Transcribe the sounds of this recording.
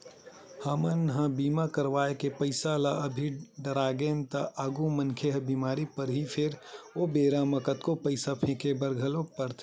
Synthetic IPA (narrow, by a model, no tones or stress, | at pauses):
hamənɦə̃biːmakɐɾʋaːekepəɪsalaəbʱiɖɐɾaːɡeːnt̪aʔaːɡumənkʰeɦɐbiːmaːɾipɐɾɦipʰɪɾobeːɾamɐkət̪kopəɪsapʰẽːkʰebɐɾɡʱəlopɐɾt̪ʰː